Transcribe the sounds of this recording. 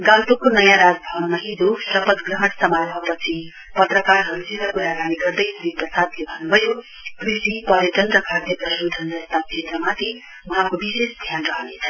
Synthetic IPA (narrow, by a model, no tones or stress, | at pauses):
ɡãwpukonʌjãɾad͡zbʱʌbnnʌɦid͡zosʌpʌd̪ɡrʌɦʌɽ̃sʌmajbʱʌpʌt͡sʰi | pʌt̪rʌkarɦʌɾud͡ziɾʌkuɾaɡaniɡʌrd̪ʌjsuɾiprʌsad̪lebʱʌnːubʱʌjo | krisipʌɾjʌʈʌnrʌkʰard̪jeprʌsɾud̪ʱʌnd͡zʌst̪akʰet̪rʌmat̪ʰi | wʌɦãkobisesd̪ʱjanrʌɦənet͡sʰʌ